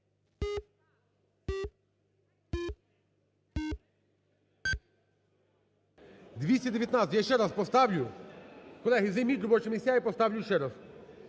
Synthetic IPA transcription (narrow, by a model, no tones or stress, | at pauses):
d̪ʋʲisʲtʲɐd̪ʲeʋʲjɐt̪nat̪ʲɐtʲjaʃt͡ʃɛɾaspɔst̪ɑʋlʲʊ | kɔlˠɛɦizejmʲit̪ʲɾɔbɔt͡ʃemʲisʲtʲjajipɔst̪ɑʋlʲuʃt͡ʃɛɾas